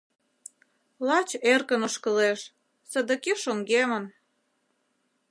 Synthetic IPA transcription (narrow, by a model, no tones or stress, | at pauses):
lɑt͡ɕerkənoʃkə̆leʃ | sə̆d̪ə̆keʃoŋɡemən